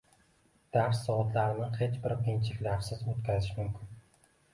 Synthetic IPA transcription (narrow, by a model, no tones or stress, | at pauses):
d̪̥aɾsːɒɒt̪laɾnɪhet͡ʃbɪɾqʰint͡ʃʰɪ̥kʲlaɾsɪzot̪kʲʰazɪʃmʊmkʲʰɪn